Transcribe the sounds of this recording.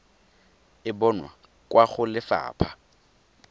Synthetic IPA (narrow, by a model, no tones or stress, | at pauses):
ɪbɔnwa̰ | kʼwaχʊlɪfa̰ːpʰa